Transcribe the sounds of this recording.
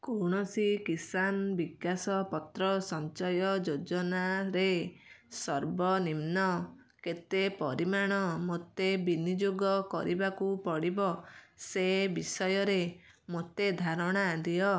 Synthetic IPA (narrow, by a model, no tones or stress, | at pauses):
koɽ̃ɔsikisanbiɡasɔpɔt̪ɾɔsɔnt͡ʃɔjɔd͡ʒod͡ʒɔnaɾesɔɾbɔnimnɔ | ket̪epɔɾimaɽ̃ɔmot̪ebinid͡ʒoɡɔkɔ̰ɾibakupɔɽibɔsebisɔjɔɾe | mot̪ed̪ʱaɾɔɽ̃ad̪ijɔ